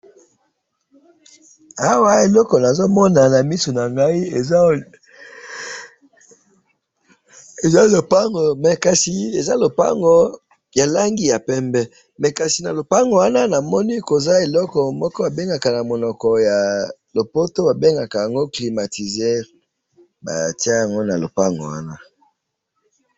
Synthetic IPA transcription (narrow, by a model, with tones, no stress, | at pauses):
a˦wa˦e˨lɔ˦kɔ˨na˨zo˦mɔ˦na˨na˨mi˦so˨na˨ŋɡa˦i˦e˨˦ | e˨za˦lo˨pa˦ŋɡɔ˨mɛ˨ka˨si˨e˨za˦lo˨pa̰˦ŋɡɔ˦ | ja˨la˦ŋɡi˦ja˨pɛ˦mbɛ˦ | mɛ˨ka˨si˨na˨lo˨pa˦ŋɡɔ˨wa˦na˦na˨mɔ˦ni˦ko˨za˦e˨lɔ˦kɔ˨mɔ˦kɔ˦a˨be˦ŋɡa˨ka˨na˨mo˨nɔ˨kɔ˨ja˨lo˨po˦to˦ba˨be˦ŋɡa˨ka˨ja˨ŋɡo˦kli˨ma˨ti˨ze˦ | ba̰˨ti˦a˦ja˨ŋɡo˦na˨lo˨pa˦ŋɡɔ̰˨wa̰˦na˦